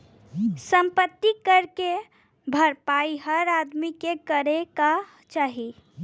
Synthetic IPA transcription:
səmpət̪ːikəɾke | bʱəɾpaiɦəɾad̪mikekəɾeka | t͡ʃaːɦi

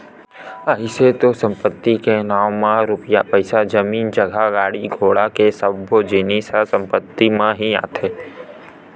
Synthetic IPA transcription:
əɪset̪osə̃mpət̪ːikenaːwmãɾʊpjapəɪsad͡ʒəmiːnd͡ʒəɡʱaɡaːɽiɡʱoːɽakesəbbod͡ʒɪnisasə̃mpət̪ːimãɦia̰ːt̪ʰeː

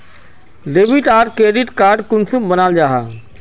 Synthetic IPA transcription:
ɾeːbiʈaːɾkɾeːɖɪʈkaːɾɖkʊnsumbənaːld͡ʒaːɦaː

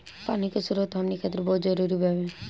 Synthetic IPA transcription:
paːnikesʊɾət̪ɦɐmnikʰaːt̪ɪɾbɔːt̪zəɾuːɾibɛʋẽ

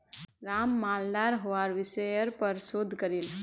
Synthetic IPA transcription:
ɾaːmːaːld̪aːɾɦoaːɾʋɪsejəɾpəɾsod̪ʱkəɾil

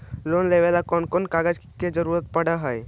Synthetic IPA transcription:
loːnleʋelakɔnkonkaɡəd͡ʒked͡ʒəɾuːɾət̪̚pəɽəɦəj

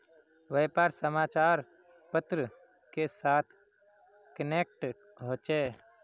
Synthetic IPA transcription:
ʋəjpaːɾsəmaːt͡ʃaːɾ | pət̪ɾə | kesaːt̪ʰ | kəneːk̚ʈ | ɦoːt͡ʃeː

